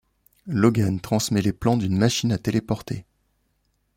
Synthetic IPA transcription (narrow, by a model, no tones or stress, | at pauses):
lɔɡant̪χɑ̃smɛleplɑ̃d̪ynmaʃinat̪elepɔʁt̪ʰe